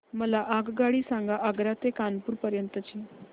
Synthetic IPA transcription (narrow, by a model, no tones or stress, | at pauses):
məlaʔaɡɡaɽiːsãŋɡaʔəɡɾat̪ekanpuːɾpəɾjənt̪ət͡ɕiː